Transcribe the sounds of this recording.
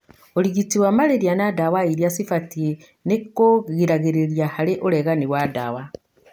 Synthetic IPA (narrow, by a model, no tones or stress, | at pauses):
oliɡitiwamaleɾjanadawaiɾjasifatie | nekːoɣiɾaɣeɾeɾjahaleʔoleɣaniwada̰ːwa